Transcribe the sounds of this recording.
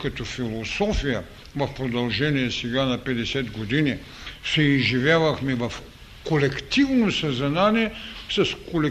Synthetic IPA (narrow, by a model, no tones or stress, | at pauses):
kɐt̪ɔfilˠosɔfijə | vɐfpɾod̪ɐlˠʒɛniɛsɛɡanɐpɛd̪ɛsɛt̪ɡod̪ini | sɛizʒivʲjavɐxmɛvɐf | kolɛkt̪ivnosɐzɐnanʲiɛsɐskolɛ